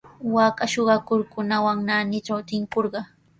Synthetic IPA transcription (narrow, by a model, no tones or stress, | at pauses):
waːkaʃoɢɑkʊɾkʊnawaŋnaːnɪt͡ʃawt̪ɪŋkoɾɢɑ